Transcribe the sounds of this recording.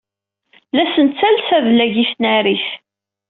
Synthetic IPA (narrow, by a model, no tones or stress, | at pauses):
læsənt̪t͡sːælsævlæʝisnæɾiθ